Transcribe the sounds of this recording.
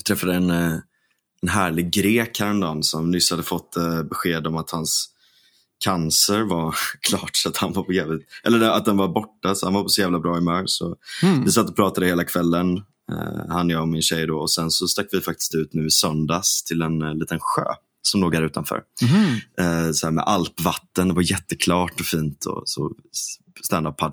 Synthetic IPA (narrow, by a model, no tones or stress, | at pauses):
t̪ʰɾɛfːad̪əɛn | ɛnɦæːɭɪɡɡɾeːkhaɾɛnd̪ɑːnsɔmnʏshad̪ːəfɔt̪ːbɛɧeːd̪ɔmat̪hans | kʰansəɾvaɾkʰlɑːʈsɔat̪hanvaɾpʰɔjeːvət̪ʔɛlːəɖɛat̪̚d̪ɛnvaɾbɔʈːasɔhanvaɾpʰɔsɔjæːvlabɾɑːɪmœːɾsɔvɪsat̪ːɔpʰɾɑːt̪ad̪əheːlakʰvɛlːən̰ | hanːɛjaɔmɪnɕɛjːd̪ɔɔsɛnsɔst̪akːvɪfak̚t̪ɪ̥st̪ʉ̟ːt̪nʉ̟ːɪsœnd̪ast̪ʰɪlɛnliːt̪ənɧø̰ː | sɔmloːɡ̪æɾʉ̟ːt̪anfœ̰ːɾ | sɔhæːmɛ̰ʔalpvat̪ːənd̪ɛvaɾjɛt̪ːəkʰlɑːʈɔfiːnt̪ʰɔ̰sɔ̰ | st̪ænd̪appʰːad̪